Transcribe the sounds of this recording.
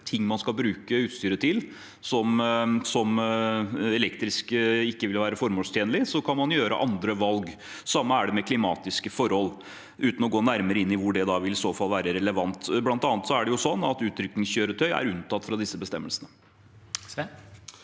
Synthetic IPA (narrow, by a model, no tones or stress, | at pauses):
t̪ʰɪŋːmɑnskɑlbɾʉːkəʉːt̪st̪yːɾət̪ʰɪl | sɔmsɔm | ɛlɛkt̪ɾɪskɪkːəʋɪlʋæːɾəfɔɾmoːlst̪jeːnəlɪsɔkʰɑnmɑnjøːɾə̰ʔɑnd̪ɾəʋɑlɡ | sɑmːəæɖɛmɛkʰlɪmɑ̰ːt̪ɪskəfɔɾhɔl | ʔʉːt̪n̩ɔɡoːnæɾməɾəɪnːɪʋʊɖɛd̪ɑʋɪlɪsoːfɑlːʋæːɾəɾɛləʋɑnt̪blɑnt̪ɑːnət̪sɔæɖɛjʊsɔnːɑ̰t̪ʉːt̪ʰɾʏknɪŋsçøːɾət̪ʰœʏæ̰ɾʉnt̪ʰɑt̪ːfɾɑd̪ɪsːəbəst̪ɛmːəlsənə